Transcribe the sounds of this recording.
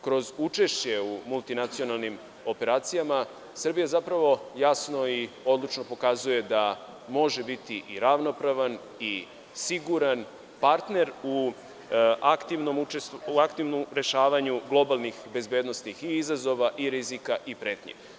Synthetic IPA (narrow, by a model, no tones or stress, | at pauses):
kɾo̞zut͡ʃe̞ʃt͡ɕe̞umulˠt̪inat̪sio̞nalˠnim | o̞pe̞ɾaːt̪sijama | srbijazapɾaʋo̞jasno̞io̞d̪lˠut͡ʃno̞po̞kazuje̞d̪a | mo̞ʒe̞bit̪iʔiɾaʋno̞pɾaʋan | i | siɡuɾan | paɾt̪ne̞ɾu | akt̪iʋnomut͡ʃest̪uakt̪iʋnomɾe̞ʃaːʋaɲuɡlˠo̞balˠnixbe̞zbed̪no̞snixiizazo̞ʋaʔiɾizikaʔipɾe̞ːt̪ɲḛ